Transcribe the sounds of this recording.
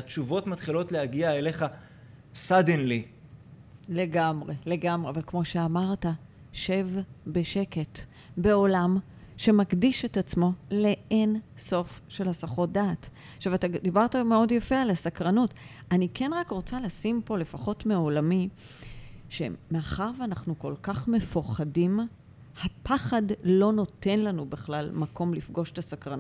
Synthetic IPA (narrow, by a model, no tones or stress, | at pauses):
att͡ʃuvo̞tmat̪χilo̞tlehaɡiaele̞χa | sad̪enli | le̞ɡamʁe̞le̞ɡamʁeavalkmo̞ʃe̞amaʁta | ʃe̞vbe̞ʃe̞ke̞t | be̞o̞lam | ʃe̞makdiʃe̞tat͡smo̞le̞enso̞fʃe̞lasaχo̞daːt | ʃavatad̪ibaʁtameo̞djafe̞alasakʁanutanikʰe̞nʁakʁo̞t͡salasimpo̞le̞faχo̞tmeolami | ʃe̞̰meaχaʁvanaχnuko̞lkaχme̞fuχadim | hapʰaχadlo̞no̞te̞nlanubeχlalmako̞mlifɡo̞ʃetasakʁanu